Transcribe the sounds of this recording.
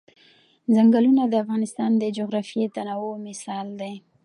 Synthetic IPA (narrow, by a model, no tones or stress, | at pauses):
zaŋɡalunad̪əafɣɑnɪst̪ɑnd̪əd͡ʒoɣɾɑfjet̪anɑwomɪsɑld̪e